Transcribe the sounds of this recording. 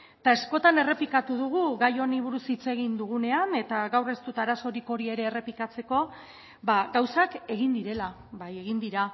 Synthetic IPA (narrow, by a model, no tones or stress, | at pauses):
t̪ae̞sko̞t̪ane̞re̞pikat̪uðuɣ̞uɣajo̞niβ̞uɾusit͡se̞ɣ̞ind̪uɣ̞une̞ane̞t̪aɣawre̞st̪ut̪aɾaso̞ɾiko̞ɾie̞ɾe̞ːre̞pikat͡se̞ko̞ | baɣawsake̞ɣind̪iɾe̞la | βaje̞ɣind̪iɾa